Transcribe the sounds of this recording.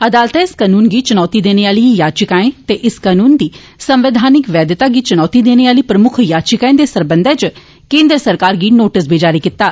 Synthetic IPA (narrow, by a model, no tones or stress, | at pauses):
əd̪aːlt̪ɛɪskaːnuːnɡiːt͡ʃənɔːt̪iːd̪eːneːaːlijaːt͡ʃɪkaːẽt̪eʔɪskaːnuːnd̪iː | sə̃mʋɪd̪ʱaːnɪkʋɛːd̪ɪt̪aːɡiːt͡ʃənɔːt̪id̪eːneːaːliːpɾəmʊkʰjaːt͡ʃɪkaːẽːd̪eːsəɾbə̃nd̪ʱɛːt͡ʃ | kẽːnd̪ɾəsəɾkaːɾɡiːnoːʈəs̬bʱeːd͡ʒaːɾiːkɪt̪ːaː